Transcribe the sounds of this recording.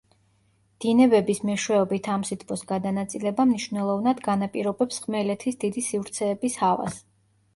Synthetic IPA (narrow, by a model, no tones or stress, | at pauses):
d̪̥inɛbɛbismɛʃwɛɔbit̪ʰamsit̪ʰpʰʼɔsɡad̪anat̪sʼilɛbamniʃvnɛlˠɔvnad̪ɡanapʼiɾɔbɛpsχmɛlɛt̪ʰisd̪̥id̪isivɾt̪sʰɛːbishava̰s